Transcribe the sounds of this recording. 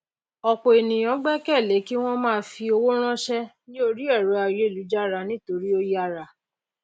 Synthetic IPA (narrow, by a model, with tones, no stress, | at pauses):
ɔ˨ko˨e˨nĩ˨j̃ɔ̃˨˦ɡ͡bɛ˦kɛ˦˨le˨˦ki˦w̃ɔ̃˦mãː˦˧˦fi˧o˧wo˦ɾ̃ã˦ʃɛ˦ | ĩ˦o˦˧ɾi˦ɛ˦˨ɾu˨˦a˨˧je˨˦˨lu˨˦d͡ʒa˦ɾa˧nĩ˦to˧ɾi˦o˧ja˧ɾa˧